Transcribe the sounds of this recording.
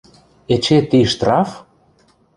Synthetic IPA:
et͡ɕet̪iʃt̪rɑf

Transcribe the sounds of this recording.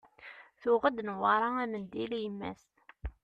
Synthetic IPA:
θʊʁəd̪nwɑɾˤɑæmənd̪iljəmːæ̰s

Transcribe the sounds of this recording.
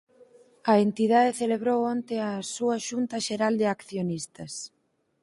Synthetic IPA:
ɐent̪iðaðeθeleβɾowont̪eɐsuɐʃunt̪ɐʃeɾald̪ɪakθjonist̪ɐs

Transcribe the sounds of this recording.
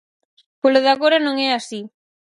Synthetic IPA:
poloðaɣoɾɐnõŋɛasi

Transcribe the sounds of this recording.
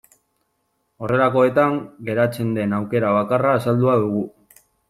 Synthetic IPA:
o̞re̞lako̞e̞t̪aŋɡe̞ɾat͡se̞nd̪e̞nawke̞ɾaβ̞akaraːsald̪uaðuɣu

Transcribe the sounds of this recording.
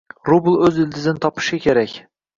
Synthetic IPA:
ɾʊblˠɵzɪld̪ɪzɪnɪt̪ʰɒpʰɪ̥ʃakʲʰeɾakʲ

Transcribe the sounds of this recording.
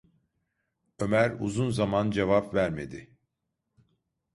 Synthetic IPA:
ø̞mæɾṵzunzamand͡ʒevapvæɾme̞d̪ɪ

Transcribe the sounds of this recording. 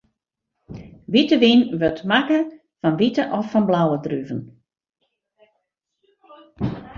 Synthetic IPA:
ʋitəʋinʋøtmakə | fɔnʋitəʔɔfːɔnblawədryvən

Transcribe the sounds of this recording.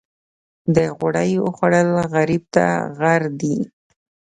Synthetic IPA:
d̪əɣʊɽajə̰xwaɽəlɣaɾib̚t̪a̰ɣaɾd̪i

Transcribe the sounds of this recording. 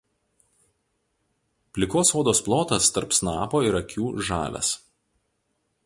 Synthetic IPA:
pʲlʲɪkoːsoːd̪oːsplˠoːt̪ɐst̪ɐɾpsnɑːpoːɪɾɐkʲuːʒɑ̰ːlʲɛ̰s

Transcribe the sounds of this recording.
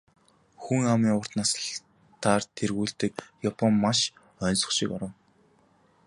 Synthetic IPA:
xuŋamiːŋʊr̥t̪naːsɬ | t̪ʰaːrt̪ʰerɣuːɬt̪ɘ̆k̚japʰɔmːaʃ | œnsɞ̥̆χʃɪkɔɾə̆n

